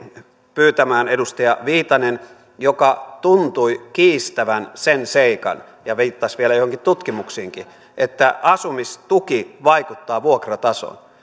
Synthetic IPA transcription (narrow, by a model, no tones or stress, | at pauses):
pyːt̪æmæːnedust̪ɑjɑʋiːt̪ɑnen | jokɑt̪unt̪uikiːst̪æʋænsenseikɑ̰n | jɑʋiːt̪ːɑsʋielæjohoŋkit̪t̪ut̪kimuksiːŋki | ʔet̪ːæʔɑsumist̪ukiʋɑikut̪ːɑːʋuokrɑt̪ɑso̰n